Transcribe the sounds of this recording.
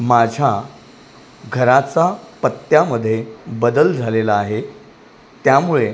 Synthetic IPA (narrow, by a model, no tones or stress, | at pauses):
mad͡ʑʱa | ɡʱəɾat͡sapət̪ːjaməd̪ʱːjebəd̪əld͡zʱalelaːɦe | t̪jamuɭe